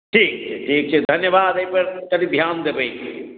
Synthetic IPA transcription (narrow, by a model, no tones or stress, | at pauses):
ʈʰiːk̚t͡ʃʰɛʈʰiːk̚t͡ʃʰed̪ʱɐnjəbaːd̪eipɐɾkɐd̪ibʱjaːnd̪ebeiki